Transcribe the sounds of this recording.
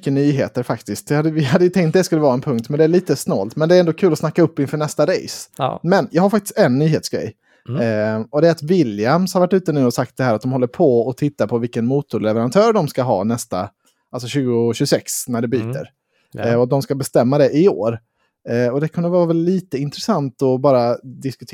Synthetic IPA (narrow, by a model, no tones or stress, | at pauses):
kːənyːɦeːt̪əɾfakt̪ɪst̪̚d̪ɛhad̪ːəvɪɦad̪ːəjɵt̪ʰɛŋkt̪̚d̪ɛskɵlːəvɑːɾaɛnpʰɵŋk̚t̪mɛnd̪ɛæɭiːt̪əsnɔ̰ːlt̪mɛnd̪ɛæɾɛnd̪oːkʰʉ̟ːlɔsnakːaɵpːɪnfœɳɛst̪aɾɛ̰jsmɛnjɑːɡhaɾfak̚t̪ɪ̥st̪ɛnːyːɦeːt̪sɡɾɛ̰jː | ɔd̪ɛɾat̪vɪljamshaɾvaʈːʉ̟ːt̪ənʉ̟ːɔsakt̪̚d̪ɛhæːɾat̪̚d̪ɔmhɔlːəɾpʰɔɔt̪ʰɪt̪ːapʰɔvɪlkənmuːt̪ʊɾɭɛvəɾant̪ʰœːɾɖɔmskaɦɑ̰ːnɛst̪a̰ | alsɔɕʉ̟ːɡʊɕʉːɡsɛksnæɖɛbyːt̪ə̰ɾ | ɔd̪ɔmskabɛst̪ɛmːad̪ɛʔɪo̰ːɾ | ɔd̪ɛkʰɵnd̪əvɑːvɛlːiːt̪əɪnt̪ɾɛsant̪ɔbɑːɾad̪ɪskɵt̪ʰ